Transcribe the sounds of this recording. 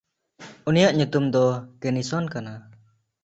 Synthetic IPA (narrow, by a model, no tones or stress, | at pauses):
unijaʔɲut̪umd̪ɔɡɛnisɔnkana